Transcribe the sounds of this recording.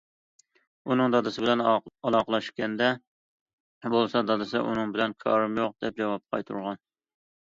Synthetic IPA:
unɨŋd̪ɒd̪ɨsɪbɪlɛnɑlˠɑqlˠɑʃkʲɛnd̪ɛ | bolˠsɑd̪ɑd̪ɨsɪ̰ʔṵnɨŋbɪlɛnkʲʰɑ̰ɾɨmjoq̚d̪̥ɛp̚d͡ʒɑvɑp̚qʰɑ̰jt̪ʰuɾʁɑn

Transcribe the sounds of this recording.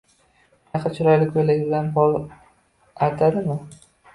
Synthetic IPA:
aqat͡ʃʰɪɾɒjlɪkʲojlɪɡʲbɪlanpɒlˠ | ajt̪ʰad̪ɪmɪ

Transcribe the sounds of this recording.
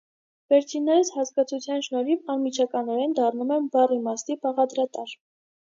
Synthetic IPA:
vɛɾt͡sʰinːɛɾəshɑskɑt͡sʰut͡sʰjɑnʃnɔɾipɑnmit͡ʃʰɑkɑnɔɾɛnd̪ɑrnumɛnbɑrimɑsnibɑʁɑd̪ɾɑt̪ɑɾ

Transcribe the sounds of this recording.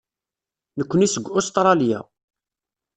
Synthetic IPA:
nəkʷːənisəɡʷːost̪ɾˤɑlja̰

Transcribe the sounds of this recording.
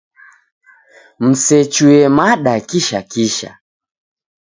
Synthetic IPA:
m̩sɛt͡ʃuɛmaɗakiʃakiʃa̰

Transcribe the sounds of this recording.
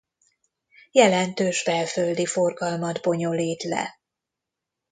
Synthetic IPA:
jɛlɛnt̪øːʃbɛlføld̪ifo̞rɡɒlmɒd̪bo̞ɲo̞liːt̪lɛ̰

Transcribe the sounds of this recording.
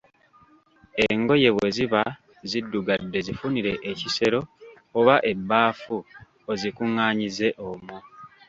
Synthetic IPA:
eŋɡo̞je̞βwe̞ziβa | zidːuɡadːe̞zifuniɾe̞ʔːcise̞ɾo̞ː | βaʔe̞bːaːfu | ozikuŋːaːɲize̞ʔomwo

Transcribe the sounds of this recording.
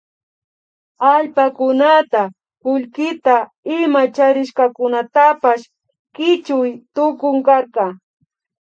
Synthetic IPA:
aʎpakʊnat̪a | kʊʎkɪt̪a | ɪmat͡ʃaɾɪʃkɑkʊnat̪apaʃ | kɪt͡ʃʊjt̪ʊkʊŋkaɾqɑ

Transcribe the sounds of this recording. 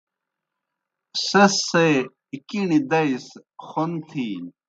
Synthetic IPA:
sɐse | ikiɳid̪ɐisxont̪ʰiːn

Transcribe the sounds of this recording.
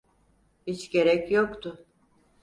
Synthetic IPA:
hit͡ʃɟe̞ɾɛcjokt̪ʰʊ

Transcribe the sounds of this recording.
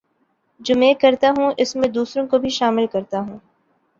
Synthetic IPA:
d͡ʒoːmẽːkɐɾt̪aɦũʔɪsmẽd̪uːsɾõkobʱiʃaːmɪlkɐɾt̪aɦũː

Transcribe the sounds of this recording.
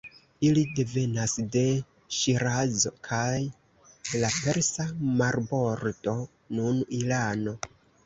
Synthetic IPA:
ilide̞ve̞nasde̞ | ʃiɾazo̞̰kʰaj | lape̞ɾsamaɾbo̞ɾto̞ | nunilano̞

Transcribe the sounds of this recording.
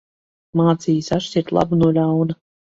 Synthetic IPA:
maːt̪sijisaʃt͡ɕʲiɾt̪lˠa̰bunuɔlʲawna

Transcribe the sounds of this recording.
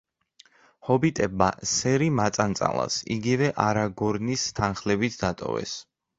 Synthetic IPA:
hɔbit̪ʼɛbasɛɾimat̪sʼant̪sʼa̰lˠa̰sḭɡivɛʔaɾaɡɔɾnist̪ʰanχlɛbit̪ʰd̪at̪ʼɔ̰vɛ̰s

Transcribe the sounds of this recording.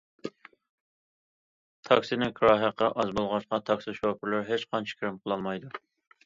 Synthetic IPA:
t̪ʰɑksɪnɪkʰɾɑɦæqʰːɑʔɑzbolˠʁɑʃqɑt̪ʰɑksɨʃopʰɪɾlɪɾɦet͡ʃqʰɑnt͡ʃʰi̥kʰʲɾɪmqʰəlˠɑlˠmɑjd̪u

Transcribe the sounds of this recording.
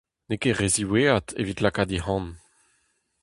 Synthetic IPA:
nekeʁeziweːat̪ʰevit̪lakad̪ihɑ̃n

